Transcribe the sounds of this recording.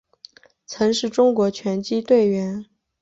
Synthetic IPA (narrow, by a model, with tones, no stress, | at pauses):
t͡sʰɤ˧˥ŋʂɻ̩˥˩ʈ͡ʂʊ˥ŋkwɔ˧˥t͡ɕʰɥɛ˧˥nt͡ɕi˥t̪we˥˩ɪɥɛ˧˥n